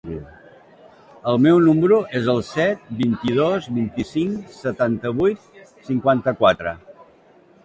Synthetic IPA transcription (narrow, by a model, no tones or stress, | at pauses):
əlˠmɛwnuməɾuʔezəlˠsɛt̪̚bint̪iðozβint̪isiŋsət̪ant̪əβujt̪̚siŋkwant̪əkwat̪ɾə